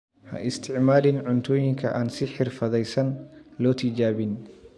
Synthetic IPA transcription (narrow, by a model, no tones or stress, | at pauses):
hɐ̰ʔɪst̪ʰɪʕmaːlɪnʕʊnt̪ʰɔːjɪŋkʰɐʔaːnsɪħɪrfɐðɛjsɐnlɔːt̪ʰɪd͡ʒaːβɪn